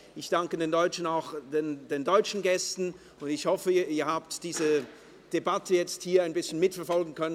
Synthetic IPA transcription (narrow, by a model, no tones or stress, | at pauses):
ʔɪçd̥aŋkədeːndɔʏt͡ʃn̩aʊxd̥endeːndɔʏt͡ʃn̩ɡɛstn̩ | ʊndɪçhɔfəiːɐhaːp̚td̥iːzə | d̥ebatʰəjɛt͡sthiːɐaɪnbɪsçənmɪtfɛɐfɔlɡŋ̩kʰœnən